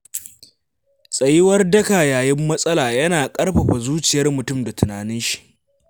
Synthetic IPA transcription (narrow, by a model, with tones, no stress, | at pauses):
sʼɐ˨jɪ˦wɐ˦rdɐ˦kaː˨jaː˨jɪ˦mːɐ˦sʼɐ˦laː˨jɐ˦naː˨kʼɐ˦rɸɐ˨ɸa˨zuː˦t͡ʃɪ˨jɐ˦rmʊ˨tʊ˦˨mda˨tʊ˨naː˨nɪ˦nʃi̥˨ʔ